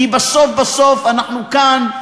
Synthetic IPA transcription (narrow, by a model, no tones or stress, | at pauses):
ibasofbasofanaχnukan